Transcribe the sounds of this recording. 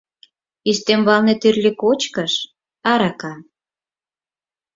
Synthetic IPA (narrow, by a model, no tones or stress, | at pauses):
ist̪emβɑlnet̪yrlʲikot͡ɕkəʃ | ɑɾɑkɑ